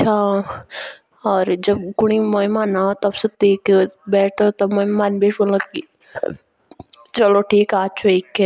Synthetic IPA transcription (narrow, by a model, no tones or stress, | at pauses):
t͡ʃʰa | ɔːɾd͡ʒɐb̚ɡʊɽ̃imoimaːnat̪ɐbset̪iːkbɛːʈʰot̪ɐbməmaːnbeːʈbolaki | t͡ʃɐloʈʰiːkaːt͡ʃʰoikːe